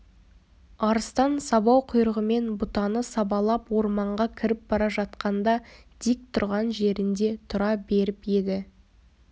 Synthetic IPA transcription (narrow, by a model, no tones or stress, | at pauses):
ɑɾəst̪ɑnsɑβɑwqʰʊjɾəʁəme̞nbʊt̪ɑnəsɑbɑlˠɑpwo̞ɾmɑɴʁɑkʲʰɪɾɪp̚bɑɾɑʒɑt̪qɑnd̪ɑ | d̪̥ik̚t̪ʰʊɾʁɑnʒe̞ɾɪnd̪e̞t̪ʰʊɾɑbe̞ɾɪpje̞d̪ɪ